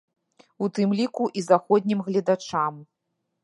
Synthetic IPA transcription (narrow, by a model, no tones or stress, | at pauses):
ut̪ɨmlʲikuʔizaxɔd̪ʲnʲimɣlʲɐd̪at͡ʂam